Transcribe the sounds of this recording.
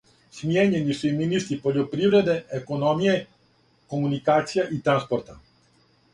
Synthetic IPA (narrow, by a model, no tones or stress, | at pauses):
smijeɲenisuiminist̪ɾipo̞ʎopɾiʋɾe̞d̪e̞eko̞nomije̞ | ko̞munikaːt̪sijaʔit̪ɾanspoɾt̪a̰